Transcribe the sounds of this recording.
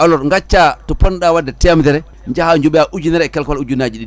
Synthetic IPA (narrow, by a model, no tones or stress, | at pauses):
ʔalɔɾŋɡat͡ʃːatɔpɔnɗawadːɛtɛmtɛɾɛ | ɲd͡ʒahaɲd͡ʒuɓɛaʔud͡ʒunɛɾɛkɛlkalud͡ʒunad͡ʒiɗin